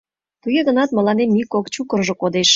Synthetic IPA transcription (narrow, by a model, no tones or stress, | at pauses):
t̪ujĕɣə̆nɑt̪mə̆lɑnemːikokt͡ɕukərʒŏkod̪eʃ